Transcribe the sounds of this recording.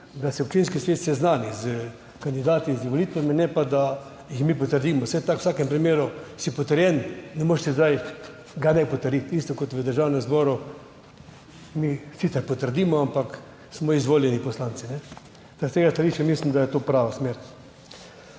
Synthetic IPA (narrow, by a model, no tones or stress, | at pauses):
d̪asɛɔp̚t͡ʃinskisʋeːt̪sɛznaːnizə | kand̪id̪aːt̪iziʋoliːt̪ʋaminɛpad̪a | jixmipɔt̪əɾd̪iːmɔsɛt̪akw̥saːkɛmpɾimeːɾʊsipɔt̪əɾjɛnnɛmoːʃsɛzd̪aj | ɡanɛjpɔt̪əɾjit̪ist̪ɔkɔt̪ʋəd̪əɾʒaːwnɛmzbɔːɾʊ | misit̪ɛɾpɔt̪əɾd̪iːmɔampak | smɔizʋoːljɛnipɔslaːnt̪sinɛ | t̪ast̪eːɡast̪aliːʃt͡ʃɛmislimd̪ajɛt̪oːpɾaːʋasmeːɾ